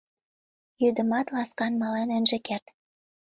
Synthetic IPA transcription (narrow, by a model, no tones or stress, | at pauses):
jyd̪ə̆mɑt̪lɑskɑnmɑlɑnɘ̆nʒĕkert̪